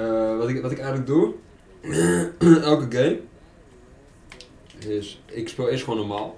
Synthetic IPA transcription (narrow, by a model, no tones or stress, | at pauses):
ʋɔtɪkʋɔtɪkɛjɣənlək̚dur | ɛlˠkəɡejm | ɪsɪkspɪlˠɪsχʋoːnəmaːlˠ